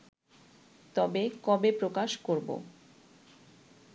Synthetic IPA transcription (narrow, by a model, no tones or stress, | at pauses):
t̪ɔbekɔbepɾokaʃkoɾbo̰